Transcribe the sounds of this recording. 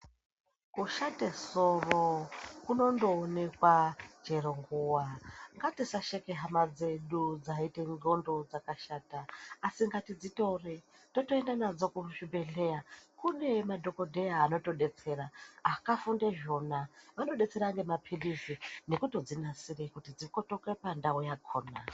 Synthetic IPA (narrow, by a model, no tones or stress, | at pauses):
kuʃatesorokuno̞ndo̞ːne̞kwad͡ʒe̞ɾoŋɡuwaŋɡatisaʃekeɦamad͡ze̞ɗud͡zaiteŋɡo̞ndo̞d͡zakaʃaːtaːsiŋɡatid͡zito̞re | to̞to̞endanad͡zo̞kuʐibʱe̞ɮe̞jakune̞madʱo̞ko̞dʱejaːno̞to̞ɗe̞t͡se̞ɾaakafundeʒo̞naʋano̞ɗe̞t͡se̞ɾaŋɡe̞mapʰilizine̞kuto̞d͡zinasirekutid͡ziko̞tokepandaujakʰoːna